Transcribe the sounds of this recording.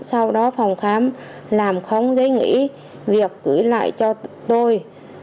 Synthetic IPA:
sa˧wɗɔ˨˦fa˨˩wŋ͡mxaː˨˦m | laː˨˩mxə˧wŋ͡mzə˨˦jŋḭ˧˥ | vi˨˩əkːɨ˧˩la̰ː˧˨jt͡ɕɔ˧t̪o˧j

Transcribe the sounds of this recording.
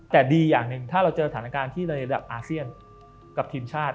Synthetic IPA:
t̪ɛː˨˩diː˧jaː˨˩ŋnɯ˨˩ŋt̪ʰaː˥˩ɾa˧wt͡ɕaɤː˧sat̪ʰa˩˦naː˧kaː˧nt̪ʰiː˥˩ɾa˧ɾa˧da̰˨˩p̚ʔaː˧si˥˩ən | ka˨˩p̚t̪ʰiː˧mt͡ɕʰaː˥˩t̪̚

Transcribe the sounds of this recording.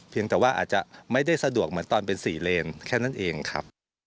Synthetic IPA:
pʰi˧əŋt̪ɛː˨˩waː˥˩ʔa̰ː˨˩t̪̚t͡ɕa˨˩ma˥˩jda˥˩jsa˧du˨˩ək̚mɯ˩˦ənt̪ɔː˧npe˧nsiː˨˩leː˧nkʰɛː˥˩na˥˩nʔeː˧ŋkʰa̰˦˥p̚

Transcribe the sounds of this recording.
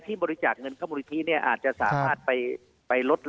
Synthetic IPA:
t̪ʰiː˥˩bɔː˧ɾi˧˥t͡ɕaː˨˩k̚ŋɤ˧nkʰa˥˩mu˧ni˦˥t̪ʰiː˦˥˩ni˥˩ɐʔaː˨˩t̪̚t͡ɕa˨ʔsa̰ː˩˦maː˥˩t̪̚pa˧j | pa˧jlo˦˥t̪̚

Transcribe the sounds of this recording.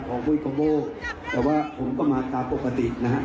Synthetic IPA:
kʰɔː˩˦ŋbuː˧˥˨kʰɔ˧boː˧˩t̪ɛː˨˩waː˥˩pʰo˩˦mkɔː˥˩maː˧t̪aː˧mpo˨˩kːa˧t̪i˨˩ʔna˦˥kʰa˦˥ʔ

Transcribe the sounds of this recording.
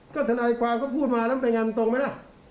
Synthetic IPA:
kɔː˥˩t̪ʰa˧naː˧jkwaː˧mkʰɔː˥˩pʰuː˥˩t̪̚maː˧laː˦˥m˦˨˧pe˧ŋa˧m˧t̪o˧ŋma˦˥jla˦˥˩

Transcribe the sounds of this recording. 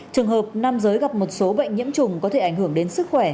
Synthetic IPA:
t͡ɕɨ˨˩əŋɦəː˨˩p̚na˧mzəː˨˦jɣa˨˩p̚mo˨˩t̚so˨˦ɓə̰˧˨jŋ̟ɲḭ˧˥əmt͡ɕʊ˨˩ŋ͡mkɔ˨˦e˧˩ʔa˧˩jŋ̟ɦɨ˧˩əŋɗe˨˦nsɨ˦˥k̚xwɛː˧˩

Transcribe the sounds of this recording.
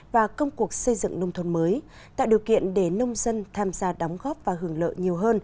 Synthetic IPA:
vaː˨˩kə˧wŋ͡mku˨˩ək̚sə˧jzɨ̰˧˨ŋnə˧wŋ͡mt̪ʰə˧˩nməː˨˦j | t̪a̰ː˧˨jɗi˨˩əwkḭ˧˨ənɗe˧˩nə˧wŋ͡mzə˧nt̪ʰaː˧mzaː˧ɗɔ˨˦wŋ͡mɣɔ˦˥p̚vaː˨˩ɦɨ˧˩əŋlə̰ː˧˨ɲi˨˩əwɦəː˧n

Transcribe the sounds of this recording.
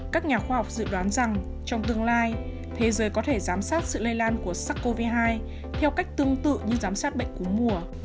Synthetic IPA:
kaː˦˥k̚ɲaː˨˩xwaː˧hwk͡p̚zɨ̰˧˨ɗwaː˨˦nza˨˩ŋ | t͡ɕɔ˧wŋ͡mt̪ɨ˧əŋlaː˧j | t̪ʰe˨˦zəː˨˦jkɔ˨˦t̪ʰe˧˩zaː˨˦msaː˦˥t̚sɨ̰˧˨lə˧jlaː˧nku˧˩əsaː˦˥kːo˧vi˧ɦaː˧j | t̪ʰɛ˧wka˦˥jk̚t̪ɨ˧əŋt̪ɨ̰˧˨ɲɨ˧zaː˨˦msaː˦˥t̚ɓə̰˧˨ŋ̟ku˧˩ə˦mu˨˩ə

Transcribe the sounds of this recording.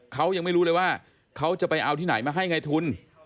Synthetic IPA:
kʰa˦˥wja˧ŋma˥˩jɾuː˦˥lɤː˧jwaː˥˩ | kʰa˦˥wt͡ɕa˨˩pa˧jʔa˧wt̪ʰiː˥˩a˩˦jmaː˧ɦa˥˩jŋa˧jt̪ʰu˧n

